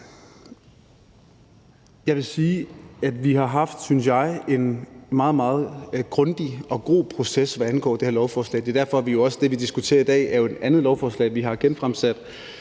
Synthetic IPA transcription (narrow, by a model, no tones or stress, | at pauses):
jɑ̈ɪʋe̝siːæd̥ʋiɦɑ̈ɦɑ̈fd̥synsjɑ̈ɪe̝nmɑ̈ːð̞̩ˠmɑ̈ːð̞̩ˠɡ̥ʁɔ̽nd̥iʔɒ̽ɡ̥o̝̰ːpʰʁo̝sesʋæænɡ̥ɒ̰ːd̥ehæɐlɒʊfɒːslɛ̰ːd̥e̝ɐd̥æɐfɒ̽æʋijo̝ɒ̽səd̥e̝ʋid̥isɡ̥ut͡sʰe̝̰ːɐid̥ɛ̰ːæɐjoe̝d̥ænðˠlɒʊfɒːslɛ̰ɪʋiɦɑ̈ɡ̥enfʁamsæd̥